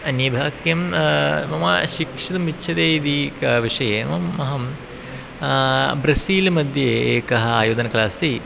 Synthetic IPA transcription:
ɐnjɐbʱaːkjɐmmɐma̰ːʃikʂit̪ɐmitːʃʰɐd̪eːid̪ikʋiʂɐjemɐmːɐɦɐm | bɾɐsiːlmɐd̪ʱjeeːkɐɦɐaːjoːd̪ɐnɐklaːst̪i

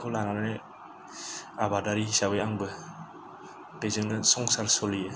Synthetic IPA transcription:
kʰɔlananɯne | abadaɾisabɯjaŋbɯ | pezɯŋnɯsɔŋsaɾsɔlije

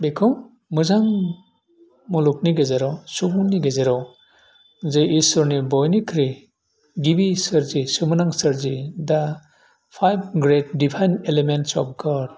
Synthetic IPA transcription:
bekʰɯŋ | mɯzaŋ | muluk̚niɡezeɾawsubuŋniɡezeɾaw | zɯʔisɔɾnibɔjnikʰɾi | ɡibisɯɾzisɯmɯnaŋsɯɾzida | pʰajb̚ɡɾet̚dipʰajnelementsɔ̰p̚ɡɔd

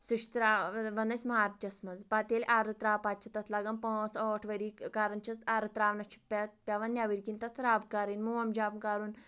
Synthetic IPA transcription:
suʃt̪ɾaʋɐnɐsʲmɦaɾt̪̚t͡ʃɐsmɐd͡zpat̪ʲelʲʔaɾɨt̪ɾaːpat͡ʃʰɐt̪ɐt̪ʰlaɡɐmpɔ̃t͡sɔʈʰʋɐɾikaɾɐnt͡ʃʰɐsaɾɨt̪ɾaːʋnɐt͡ʃʰu̥pʲat̪̚pʲjaʋɐnːjaʋiɾkint̪ɐt̪ʰɾaːbkaɾinmuʋɐmd͡ʒaːbkaɾuːn

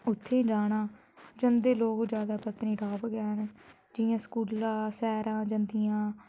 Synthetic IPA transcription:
ʊt̪ʰːeːd͡ʒaːɽãː | d͡ʒənd̪eːloːkd͡ʒjaːd̪aːpət̪niːɖaːbɡɛːn | d͡ʒɪjãːskuːlãːsɛːɾãːd͡ʒənd̪ijãː

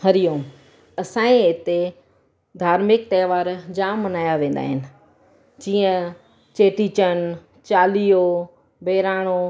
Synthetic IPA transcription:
ɦɐɾijõː | ɐsãːẽɪt̪e | d̪ʱaːɾmɪk̚t̪ɐːʋaːɾd͡ʑaːmːɐnaːjaʋẽːn̆d̪a̰ːɦɪnɪ̆ | d͡ʑiːə̃ | t͡ɕeːʈit͡ɕən | t͡ɕaːlio | beːɾaːɽ̃o

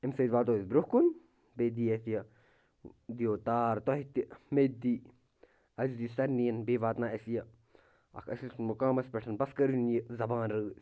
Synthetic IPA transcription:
ɪmseːd̪ʋaːt̪oːisbɾʊhkun | beːd̪iːɐθjɐ | d̪ijoːt̪aːɾt̪ɔɦit̪meːd̪iː | ɐd͡ʒd̪ist̪ɐɾnijɐnbeːʋaːt̪naːɐsijɐ | ɐ̰kʰɐ̰silsunmʊkaːmɐspɐʈʰɐnbɐskɐɾunjizɐbaːnɾɨ

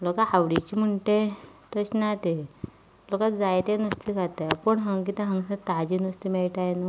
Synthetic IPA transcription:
lokaaʋɽit͡ɕim̤əɳʈet̪əɕnat̪e | lokatd͡zajt̪enəst̪ikat̪aapəɳɦəŋɡkit̪ə̃ɦə̃ŋɡsat̪ad͡ʑinəst̪imeɭʈajnu

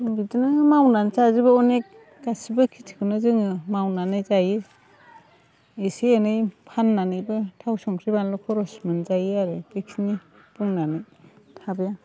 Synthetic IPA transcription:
ɯŋbidɯnɯmawnansazibɯɔnek̚ː | asibɯkʰitʰi̥kʰɯnɯzɯŋɯmawnanɯjzajɯ | esienɯjpʰanːanɯjbɯtʰawsɔŋtʰɾibanlɔkʰɔɾɔsmɯnzajɯaɾɯbeksni | buŋnanɯj | tʰabja

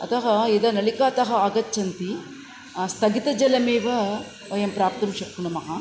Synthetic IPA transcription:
ɐ̰t̪ɐɦɐid̪ɐnɐɭikaːt̪ɐɦɐːɡɐtːt͡ʃːɐnt̪i | st̪ʰɐɡit̪ɐd͡ʒɐlɐmeːʋɐ | ʋɐjɐmpɾaːp̚t̪ɐmʃɐkːuɳɐmɐɦɐ

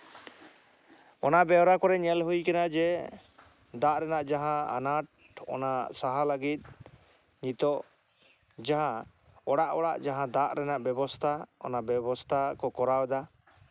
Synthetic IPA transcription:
ɔnabɛwɾakɔɾɛɲɛlɦujkɛnad͡ʒɛ | d̪aʔɾɛnaʔd͡ʒaɦãa̰naʈ̚ | ɔ̰nasaɦaləɡit̪̚ˀ | ɲit̪ɔʔ | d͡ʒaɦã | ɔɽaʔɔɽa̰ʔd͡ʒaɦãd̪aʔɾɛnaʔbɛbɔst̪ʰaɔ̰nabɛbɔst̪ʰakɔkɔɾawɛd̪a

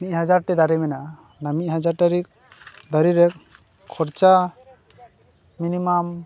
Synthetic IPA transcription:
mic̚ˀɦad͡ʒaɾʈɛd̪aɾimɛnaʔ | namic̚ˀɦad͡ʒaɾʈaɾik̚ | d̪aɾiɾɛk̚ | kʰːɔɾt͡ʃa | minimam

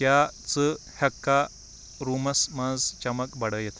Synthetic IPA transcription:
jat͡sə | hɐkːa | ɾuːmɐsməd͡zt͡ɕɐməkbɐɽəjet̪

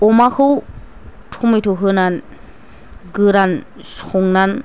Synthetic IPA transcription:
ɔmakʰɯw | tʰumɯjtʰɔɦɯnan | ɡɯɾan | sɔŋnan

